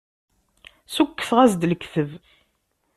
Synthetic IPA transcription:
sukːθʁæzd̪lkːθəv

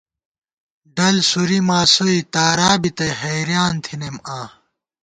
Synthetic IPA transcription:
ɖɐlsuɾimaːsoit̪aːɾaːbit̪ɐɦɐjɾjaːnt̪ʰinemãː

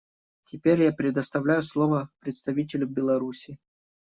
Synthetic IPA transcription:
tʲɪpʲeɾʲjapɾʲɪd̪əst̪ɐvlʲæjʊslˠovəpɾʲɪt̪st̪ɐvʲitʲɪlʲɪbʲɪlˠɐɾusʲɪ

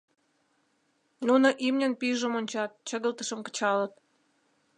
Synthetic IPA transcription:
nunəʔimnʲənpiʒə̆monʲt͡ɕɑt̪̚t͡ɕə̆ɣəlt̪ə̆ʃə̆mkə̥̆t͡ɕɑlət̪̚

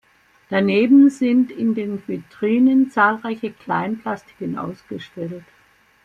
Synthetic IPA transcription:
d̥aneːbn̩zɪntɪndeːnvitʁ̥iːnənt͡saːlʁaɪçəkl̥aɪnpl̥astɪ̥kənʔa̰ʊsɡ̥əʃtɛlt

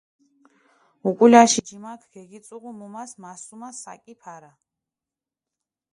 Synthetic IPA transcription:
ukʼulaʃid͡ʒimakʰɡ̥ɛɡit̪sʼuʁumumasmasumasa̰kʼipʰaɾa

